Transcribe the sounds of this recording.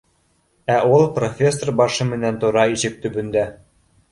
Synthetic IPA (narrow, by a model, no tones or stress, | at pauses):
æʔulˠprofʲesːorbɑʃɤmɘ̆nænt̪ŏɾɑiʃɘp̚t̪ɵ̆bɵ̆nd̪æ